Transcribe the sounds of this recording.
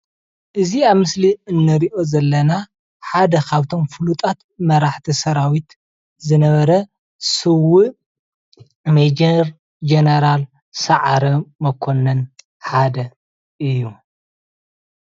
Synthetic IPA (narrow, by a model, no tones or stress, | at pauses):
ʔɨziaβmɨsliɨnːɨɾiʔo̞zɐlːɐna | ħad̪ɐkʰaβt̪ʰo̞mfɨlut̪ʼat̪mɐɾaħt̪ʰisɐɾawit̪ | zɨnɐβɐɾɐ | sɨwɨʔ | med͡ʒeɾ | d͡ʒenɐɾal | sɐʕaɾɐmɐkʰo̞nɐn | ħad̪ɐ | ʔɨjːu